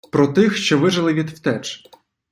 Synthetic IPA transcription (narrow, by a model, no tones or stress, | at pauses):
pɾɔt̪ɪxʃt͡ʃɔʋɪʒɐlˠɪʋʲid̪wt̪ɛt͡ʃ